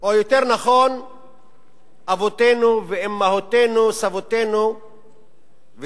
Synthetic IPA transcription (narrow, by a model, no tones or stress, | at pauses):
ojot̪eʁnaχon | avot̪enuveemːahot̪enusavot̪enu | v